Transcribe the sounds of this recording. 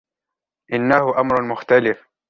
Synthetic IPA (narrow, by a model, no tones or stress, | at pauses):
ʔɪnːahʊʔamɾʊmʊxt̪alɪf